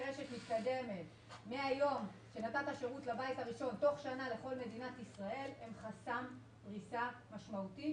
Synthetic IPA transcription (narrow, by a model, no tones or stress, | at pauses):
ʁeʃe̞tmit̪kad̪e̞me̞t | meajo̞mʃe̞natataʃeʁutlabajtaʁiʃo̞nto̞χʃanale̞χo̞lme̞dinatisʁae̞lemχasam | dʁisamaʃmauti